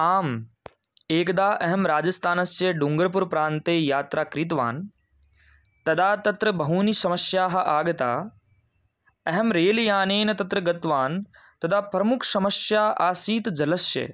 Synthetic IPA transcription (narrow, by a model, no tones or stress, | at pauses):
aːm | eːkd̪aːʔɐɦɐmɾaːd͡ʒɐst̪ʰaːnɐsjɐɖuŋɡəɾp̬uɾpɾãːnt̪eːjaːt̪ɾʔaːkɾit̪̬ʋa̰ːn | t̪ɐd̪aːt̪ɐt̪ɾɐbɐɦuːnisɐmɐsjaːɦɐ̆ʔaːɡɐt̪a̰ː | ɐɦɛmɾeːljaːneːnɐt̪ɐt̪ɾɐɡɐt̪ʋaːn | t̪ɐd̪ʱaːpɾɐmʊkʰsɐmɐsjaːʔaːsiːt̪d͡ʒɐlɐsjɐ̰